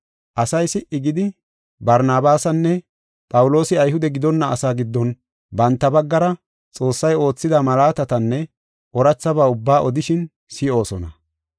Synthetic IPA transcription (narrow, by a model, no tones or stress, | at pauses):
ʔɐsɐjsɪʔɪɡɪd̪ɪ | bɐɾnaːbaːsɐnːɛ | pʼɐwʊlo̞ːsɪɐjhʊd̪ɛɡɪd̪ɔnːɐɐsaːɡɪd̪ːɔn | bɐnt̪ːɐbɐɡːɐɾɐ | t͡sʼo̞ːsːɐjo̞ːt͡sːɪd̪ɐmɐlaːt̪ɐt̪ɐnːɛ | ʔɔɾɐt͡sːɐbaːʊbːaːʔɔd̪ɪʃɪn | sɪʔo̞ːsɔnɐ